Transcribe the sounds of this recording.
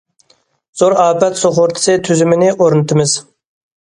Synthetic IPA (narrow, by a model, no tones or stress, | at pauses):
z̥oɾɑːpɛt̪soχʊɾt̪ʰɪ̥sɨt̪ʰyzymɪnɪʔoɾɨnɨt̪ʰɪmɪz̥